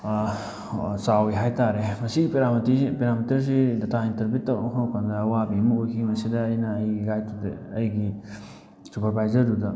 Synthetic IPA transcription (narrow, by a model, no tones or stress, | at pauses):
sawiɦajtaɾemɐsiɡipeɾamɐtɾiipeɾamitiɾs̬idɐtʰaintɐɾbutːɐwnɐkʰanɐwkʰandɐːwabiɐmɐojkʰiŋmɐsidɐːjnɐːjɡiɡajtʰud̰ɐjɡi | supɐɾbajzɐɾdudɐ